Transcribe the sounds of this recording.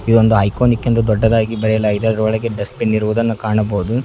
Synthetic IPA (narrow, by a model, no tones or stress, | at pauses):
id̪ond̪uɐjkoːnikːint̪ɐd̪ɔɖːɐd̪aːɡibɐɾɛjɐlaːjid̪eɐd̪ɐɾɐʋɔɭɐɡeɖɐspinːiɾuʋuːd̪ɐnːɐkaːɳɐboːud̪u